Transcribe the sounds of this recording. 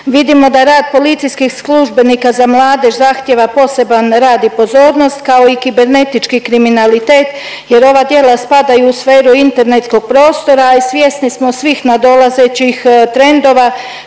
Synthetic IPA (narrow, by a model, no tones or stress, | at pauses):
ʋid̪imo̞d̪aɾaːd̪̚po̞lit̪sijskixsluʒbe̞nikazamlˠaːd̪e̞ʃzaxt̪je̞ʋapo̞se̞banɾaːd̪ipo̞zo̞ːɾno̞st̪kao̞ikibe̞ɾne̞t̪it͡ʃkikɾiminalit̪e̞ːt̪ | je̞ɾo̞ʋad̪je̞ːlˠaspad̪ajuusfe̞ːɾuint̪e̞ɾne̞t̪sko̞ɡ̚pɾo̞ːst̪o̞ɾaisʋjest̪nismo̞sʋixnad̪o̞lazet͡ɕixt̪ɾe̞nd̪o̞ʋa